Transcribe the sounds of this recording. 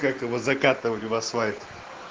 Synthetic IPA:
kak̚t̪əvozɐkat̪ɨvətʲʊvasvajʲt̪

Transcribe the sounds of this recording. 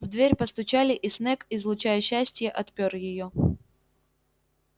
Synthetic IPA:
vd̪vʲeɾʲpəst̪ʊt͡ɕælʲɪʔɪsnɛkɪzlˠʊt͡ɕæjəɕːæsʲtʲjəʔɐt̪pʲorjɪjo

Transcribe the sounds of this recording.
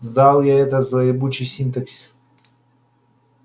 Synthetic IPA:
zd̪alˠjaɛt̪əzɐɪbut͡ɕɪjsʲint̪əksʲi̥s

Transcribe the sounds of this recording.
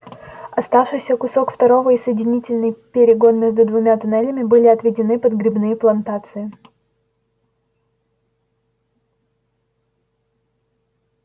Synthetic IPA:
ɐst̪afʂɨjsʲəkʊsokft̪ɐɾo̞vəisəjɪdʲɪnʲitʲɪlʲnɨjpʲɪɾʲɪɡo̞nmʲeʐd̪ʊd̪vʊmʲat̪ʊnɛlʲəmʲɪbɨlʲɪɐt̪vʲɪdʲɪnɨpəd̪ɡɾʲɪbnɨjəplˠɐnt̪at̪sɨɪ

